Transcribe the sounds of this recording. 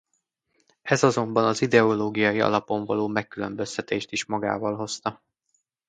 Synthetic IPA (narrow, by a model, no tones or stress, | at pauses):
ɛzɒzo̞mbɒnɒzid̪ɛoloːɡijɒjiɒ̰lɒpo̞ɱvɒloːmɛkːylømbø̞st̪ɛt̪eːʃt̪iʃmɒɡa̰ːvɒlɦo̞st̪ɒ